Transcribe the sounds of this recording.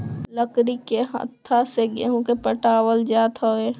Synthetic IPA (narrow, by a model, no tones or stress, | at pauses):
ləkɾikeɦə̰t̪ʰːaseɡeɦũkepəʈaːwəld͡ʒaːt̪oe